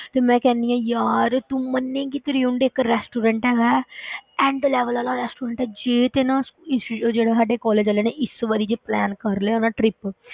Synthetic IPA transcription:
t̪eːmɛ̃ːkɛ̃ːnd̪iːãːjaːɾt̪ũmənːẽːkit̪eɾiũɳɖekɾɛːsʈuːɾə̃ɳʈɛːɡaːɛ̃ːɳɖlɛːʋəlaːlaːɾɛːsʈuːɾə̃ɳʈɛːd͡ʒeːt̪eːnãːsɪsd͡ʒeːɽeːsaːɖeːkɔːleːd͡ʒaːleːneːʔɪsʋaɾiːd͡ʒeːplɛːnkəɾleːnãːʈɾɪp

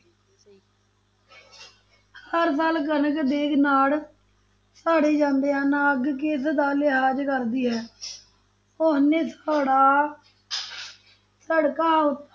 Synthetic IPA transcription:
həɾsaːlkənəkd̪eːkʰnaːl | saːɽeːd͡ʒãːnd̪eːãːnãːəɡkeːsd̪aːlɪɦaːd͡ʒkəɾd̪iːɦɛː | ʊsnẽːsaːɽaː | səɽkãːʊt̪

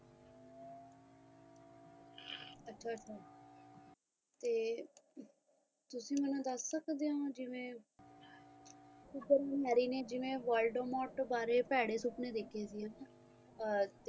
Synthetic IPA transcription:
ətːʃʰaːətːʃʰaː | t̪eː | t̪ʊsĩːmɛnũːd̪əsːəkʰd̪eãːd͡ʒɪʋẽː | kubəɾanɛːɾiːneːd͡ʒɪʋẽːʋəlɖəmɔːʈbaːɾeːpɛːɽeːsʊpneːd̪eːkʰeːsiɦãn | t̪

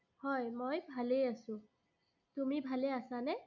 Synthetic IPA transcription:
hɔjmojbʱalejasʊ̃ | tumibʱaleasanɛ

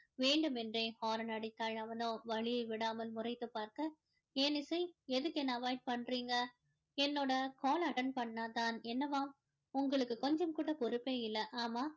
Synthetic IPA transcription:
ʋeːɳɖɯmɛndreːhaːɾɐnɐːɽit̪ːɐɻɐʋɐnõʋɐɭɪjɐɪʋɪɽaːmɐlmʊrɐɪt̪ːɯpaːɾkɐ | ɛːnɪsɐɪɛðɯkːɯɛnːɐʋaːɪʈ̚pɐɳːɾiːŋɡɐ | ɛnːoːɽɐkoːlɐʈɐɳpɐɳːaːt̪aːnɛnːɐʋaːm | ʊŋɡɐɭɯkːɯkɔɲd͡ʒɐmkuːɽɐpɔɾɯpːeːɪlːɐʔaːmaː

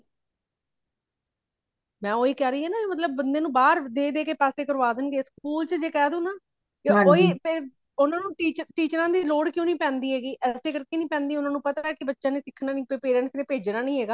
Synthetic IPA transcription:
mɛ̃ːoːiːkɛːɾəiːɦɛːnaːeːmət̪̬ləb̚ːənd̪eːnũːbaːɾd̪eːd̪eːkeːpɛːseːkəɾʋaːd̪ənɡeːskuːlt͡ʃəd͡ʒeːkɛːd̪ũːnaː | keoːiːpeː | ʊnãːnũːʈiːt͡ʃəʈiːt͡ʃɾãːd̪iːloːɽkjõːnĩːpɛ̃ːnd̪iːɦɛːɡiːʔɛːseːkəɾkeːnĩːpɛ̃ːnd̪iːʊnãːnũːpət̪aːɛːkɪbətːʃãːneːsɪkʰːnaːnĩːpepeːɾənsneːpeːd͡ʒnaːnəĩːɦeːɡaː

